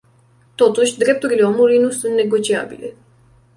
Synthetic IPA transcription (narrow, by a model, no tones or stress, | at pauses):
t̪o̞t̪uʃʲd̪ɾe̞p̚t̪uɾile̞o̞mulujnusunt̪ne̞ɡo̞t͡ʃia̰bḭle̞